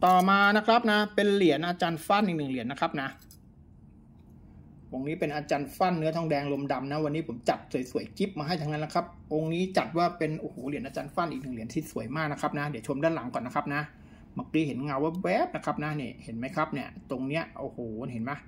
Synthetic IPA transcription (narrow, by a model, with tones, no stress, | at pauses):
t̪ɔː˨˩maː˧na˦˥kʰɾa˦˥p̚na˦˥pe˧nli˨˩˦ənʔaː˧t͡ɕaː˧nfa˥˩nʔi˨˩nɯ˨˩ŋli˨˩˦ənːa˦˥kʰa˦˥p̚na˦˥ | wo˧˩ŋniː˦˥pe˧nʔaː˧t͡ɕaː˧nfa˥˩nːɯ˦˥ɐt̪ʰɔ˥˩ŋdɛː˧ŋlo˧mda˧mna˦˥wa˧nːi˦˥pʰo˩˦mt͡ɕa˨˩t̪̚su˨˩˦jsu˨˩˦əjki˦˥p̚maː˧ɦa˥˩jt̪ʰa˦˥ŋa˦˥nːa˦˥kʰa˦˥p̚ʔo˧ŋniː˦˥t͡ɕa˨˩t̪̚waː˥˩pe˧nʔoː˧˩hoː˩˦li˨˩˦ənʔaː˧t͡ɕaː˧nfa˥˩nʔi˨˩k̚nɯ˨˩ŋli˨˩˦ə˦nt̪ʰiː˥˩su˨˩˦jmaː˥˩k̚na˦˥kʰa˦˥p̚na˦˥di˨˦wt͡ɕʰo˧mdaː˥˩la˨˩˦ŋkɔː˨˩nːa˦˥kʰa˦˥p̚na˦˥ | ma˧˩k̚li˦˥˩ɦe˩˦nŋa˧wa˦˥wɛː˦˥p̚na˦˥kʰa˦˥p̚na˦˥niː˥˩he˩˦nma˦˥jkʰa˦˥p̚ni˥˩ɐt̪o˧ŋni˦˥ɐʔoː˨˧˩hoː˨˩˧nhe˩˦nma˦˥